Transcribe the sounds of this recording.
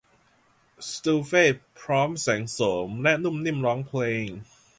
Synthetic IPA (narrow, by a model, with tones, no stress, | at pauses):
st̪uː˧fe˥˩pʰɾɔː˦˥msɛː˩˦ŋsoː˩˦mlɛ˦˥nu˥˩˨mni˥˩mɾɔː˦˥ŋpʰleː˧ŋ